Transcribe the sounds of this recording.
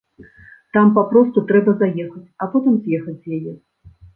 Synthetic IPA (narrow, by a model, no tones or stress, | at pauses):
t̪ampapɾɔst̪ut̪ɾɛbɐzajɛxɐt͡sʲɐpɔt̪ɨmzʲjɛxɐd͡zʲzjajɛ